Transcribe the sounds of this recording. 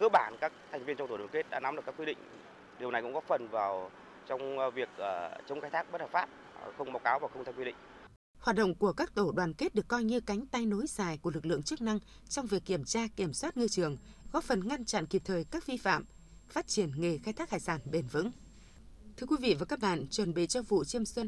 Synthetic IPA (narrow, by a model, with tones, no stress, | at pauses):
kɨː˨˧˦ɓaː˧˩nkaː˦˥k̚t̪ʰɛ˨˩jŋ̟vi˧ənt͡ɕɔ˧t̪o˧˩wːŋke˦˥t̚ɗa̰ː˧˥na˨˦mɗka˦˥kwi˧ɗḭ˧˨ŋ̟ | ɗi˨˩əwna˨˩jkʊ̰˧˥ŋkɔ˨˦fə˨˩nvaː˨˩w | t͡ɕɔ˧wŋ͡mvi˨˩ək̚ʔəː˨˩t͡ɕə˨˦wŋ͡mxaː˧jt̪aː˦˥k̚ɓə˦˥t̚hə˨˩pfaː˦˥p̚ | xə˧wŋ͡mma˨˩wkaː˨˦wvaː˨˩wxə˧wt̪ʰa˧ŋkwi˧ɗḭ˧˨ŋ̟ | haː˨˩t̚ɗə̰˧˨wŋ͡mku˧˩əkaː˦˥k̚t̪o˧˩ɗwaː˨˩nke˦˥t̚ɗɨ˨˩əkːɔ˧jɲɨ˧ka˨˦jŋ̟t̪a˧jno˨˦jsaː˨˩jku˧˩əlɨ˨˩k̚lɨ̰˧˨əŋt͡ɕɨ˦˥ək̚na˧ŋ | t͡ɕɔ˧wŋ͡mvi˨˩əkːi˧˩əmt͡ɕaː˧ki˧˩əmswa˦˥t̚ŋɨ˧t͡ɕɨ˨˩əŋ | ɣɔ˨˦fə˨˩nŋa˧nt͡ɕa̰˧˨nki˨˩p̚t̪ʰəː˨˩jkaː˦˥k̚vi˧fa̰ː˧˨m | faː˦˥t̚t͡ɕi˧˩ənŋe˨˩xaː˧jt̪ʰaː˦˥k̚haː˧˩jsaː˧˩nɓe˨˩nvɨ̰˧˥ŋ | t̪ʰɨ˧əkwi˨˦vḭ˧˨vaː˨˩kaː˦˥k̚ɓa̰ː˧˨nt͡ɕwə˨˩nɓḭ˧˨t͡ɕɔ˧vṵ˧˨t͡ɕi˧əmswə˧n